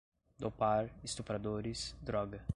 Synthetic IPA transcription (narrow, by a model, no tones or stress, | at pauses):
d̪opaɾɪst̪upɾad̪oɾɪsd̪ɾɔɡɐ